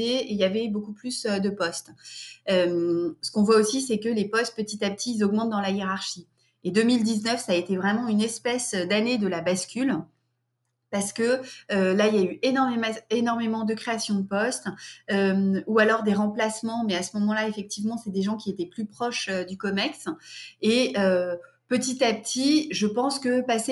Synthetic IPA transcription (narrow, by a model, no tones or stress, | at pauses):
eejavɛbokuplysød̪əpɔst̪ømsə̥kɔ̃vwaosisɛkəlepɔst̪̚pət̪it̪ap̚t̪ʰiːlzɔɡmɑ̃t̪̚d̪ɑ̃lajeʁaʁʃi | ed̪ømild̪iznœfsaːet̪evʁɛmɑ̃ynɛspɛsød̪aned̪əlabaskʲyl | paʁsə̥kəølailjayʔenɔʁmemɛ̃enɔʁmemɑ̃d̪əkχeasjɔ̃d̪əpɔst̪ømualɔʁd̪eʁɑ̃plasmɑ̃mɛasəmɔmɑ̃laefɛk̚t̪ivmɑ̃sɛd̪eʒɑ̃kʲiet̪ɛplypχɔʃød̪ykɔmɛkseø | pət̪it̪apt̪ʰiʒəpɑ̃skəpase